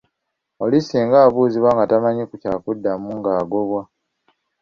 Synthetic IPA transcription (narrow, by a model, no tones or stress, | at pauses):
o̞liseŋɡaːβuːziβwaŋɡatamaɲikucaːkudːamuŋɡaːɡo̞βwa